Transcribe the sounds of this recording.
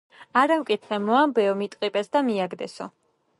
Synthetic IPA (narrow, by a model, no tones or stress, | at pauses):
aɾamkʼit̪χɛmɔambɛɔmit̪ʼqʼipʼɛsd̪amiaɡd̪ɛ̰sɔ̰